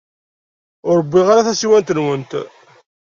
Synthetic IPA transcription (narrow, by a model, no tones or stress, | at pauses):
ʊɾˤəbːiʁaɾaθæsiwænt̪ənwənt̪